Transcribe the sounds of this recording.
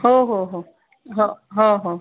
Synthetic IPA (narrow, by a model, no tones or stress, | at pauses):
ɦoɦoɦo | ɦoɦõɦo